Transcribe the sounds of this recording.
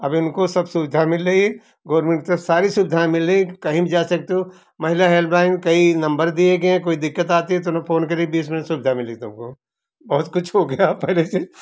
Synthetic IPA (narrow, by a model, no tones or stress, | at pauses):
ɐbɪnkosɐbsubɪd̪ʱamɪlːɐi | ɡoːɾmẽɳʈt̪ɐsaːɾisuːbɪd̪ʱaẽmɪlːeikɐɦĩbid͡ʒaːsɐk̚t̪eɦõ | mɐɦɪlaɦeːlblaːɪnkɐinɐ̃mbəɾd̪ieːɡeɦɛ̃koːid̪ɪkːət̪aːt̪iɦɛt̪onõfʰoːnkɐɾeɡibiːsmɪnsubɪd̪ʱamɪleit̪ʊmko | bɐɦʊt̪kʊt͡ʃʰɦoɡɐjapɛɦlese